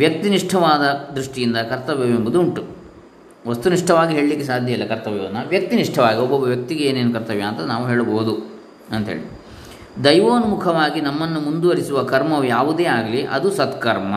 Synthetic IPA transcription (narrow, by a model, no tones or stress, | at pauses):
ʋjɐk̚t̪iniʂʈʰɐʋaːd̪ɐd̪ɾuʂʈijind̪ɐkɐɾt̪ɐʋjɐʋembud̪uːɳʈu | ʋɐst̪uniʂʈʰɐʋaːɡiɦeːɭlikːesaːd̪ʱjɐilːɐkɐɾt̪ɐʋjɐɐnːɐʋjɐk̚t̪iniʂʈʰɐʋaːɡiɔbːɔbːɐʋjɐk̚t̪iɡeeːneːnukɐɾt̪ɐʋjaːnt̪ɐnaːʋuɦe̞ːɭuboɦud̪u | ɐnt̪ɦḛːɭid̪ | d̪ɐjʋoːnmukʰɐʋaːɡinɐmːɐnːumund̪uʋɐɾisuʋɐkɐɾmɐʋjaːʋud̪e̞ːaːɡɐliʔɐ̰d̪usɐt̪kɐɾmɐ